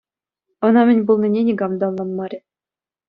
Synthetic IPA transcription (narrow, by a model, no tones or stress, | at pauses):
ɤ̆nɑmʲɘ̆nʲbulˠnʲinʲenʲiɡɑmd̪ɑlˠːɑnmɑɾʲɘ̆